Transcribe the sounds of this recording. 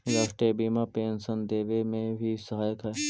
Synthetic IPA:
ɾaːsʈɾiibiːmapeːnsənd̪eːʋemẽbʱisɐɦaːjəkɦɐe

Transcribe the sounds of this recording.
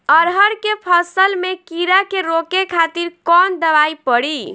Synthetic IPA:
əɾɦəɾkepʰəsəlmekiɾakeɾokekʰat̪iɾkɔnd̪əʋajpəɽi

